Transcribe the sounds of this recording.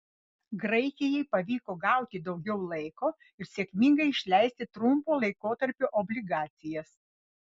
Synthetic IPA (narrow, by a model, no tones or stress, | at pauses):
ɡɾɐɪkʲɪjɛɪpɐʋʲiːkoːɡɐˑʊt̪ʲɪd̪ɒʊɡʲɛʊlˠɐɪkoː | ɪɾsʲeɛkʲmʲɪŋɡɐɪɪʃʲlʲæˑɪsʲt̪ʲɪt̪ɾʊmpoːlˠɐɪkoːt̪ɐɾʲpʲuʔɔbʲlʲɪɡɑːt̪sʲɪjɛs